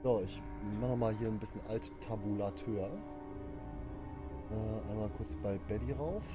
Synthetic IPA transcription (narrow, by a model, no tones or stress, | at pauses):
z̥oɪç | maχnɔmaːlhiːɐnbɪsçənʔalttʰabulatʰøːɐ | ʔɛːʔa̰ɪnmaːlkʰʊɐt͡sb̥aɪbɛdiʁaʊf